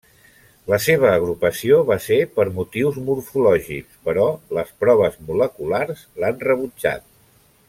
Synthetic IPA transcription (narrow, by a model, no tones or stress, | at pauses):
ləseβ̞əːɣ̞ɾupəsioβasepəɾmut̪iwzmuɾfulɔʒḭkspəɾɔləspɾɔβ̞əzmuləkularzlanrəβud͡ʒa̰t̪̚